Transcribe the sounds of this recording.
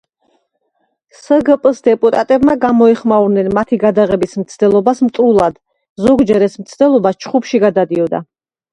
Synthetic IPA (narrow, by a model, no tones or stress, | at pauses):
səɡəpʼsd̪ɛpʼut̪ʼat̪ʼɛbmaɡamɔɛχmauɾnɛnmat̪ʰiɡad̪aʁɛbismt̪sʰd̪ɛlˠɔbasmt̪ʼulˠad̪̥ | zɔɡd͡ʒɛɾɛsmt̪sʰd̪ɛlˠɔbast͡ʃʰχupʃiɡad̪ad̪iɔd̪a̰